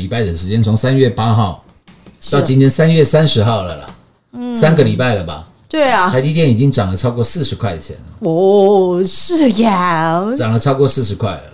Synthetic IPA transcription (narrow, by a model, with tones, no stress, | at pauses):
i˨˩pa˥˩ɪd̪ə˩ʂɻ̩˧˥t͡ɕjɛ˥˦nt͡sʰo˧˥ŋsa˥˦nɥɛ˥˨pa˦xɑ˥˩ʊ | t̪ɑ˥˨ʊt͡ɕi˥nt̪ʰjɛ˥nsa˦nɥɛ˥˨sa˦nʂɻ̩˧˥xɑ˥˩ʊlə˩lə̰˩ | sa˥˦nɡə˨li˨˩pa˥˩ɪlə˩bɐ̰˩ | t̪we˥˩ɪ˩a˥t͡ɕi˥˧t̪jɛ˥˩ni˨˩t͡ɕi˦ŋʈ͡ʂɑ˨˩ŋlə˦ʈ͡ʂʰɑ˥ʊkɔ˥˧sɹ̩˥˩ʂɻ̩˧˥kʰwa˥˩ɪ˨˩t͡ɕʰjɛ̰˧˦nə̰˨ɔ˥˩ʂ̩˥˩ja˥˩ʈ͡ʂɑ˨˩ŋlə˦ʈ͡ʂʰɑ˥ʊkwɔ˥˧sɹ̩˥˩ʂɻ̩˧˥kʰwa˥˩ɪlə̰˩